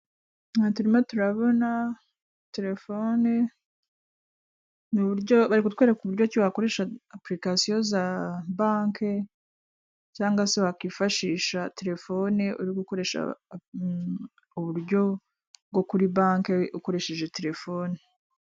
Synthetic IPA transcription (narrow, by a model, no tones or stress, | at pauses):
natuɾimatuɾaβo̞na | te̞ɾe̞fone | nuβuɾɟo̞βaɾikut̚weːɾakuβuɾɟociβako̞ɾe̞ʃaːpɾikasijo̞zaβaːŋke̞ | caːŋɡase̞βakiːfaʃiːʃate̞ɾe̞fo̞neuɾiɡuko̞ɾe̞ʃa̰ | uβuɾjɟo̞ | bɡo̞kuɾiβaːŋkeuko̞ɾe̞ʃe̞ʒete̞ɾe̞fo̞ne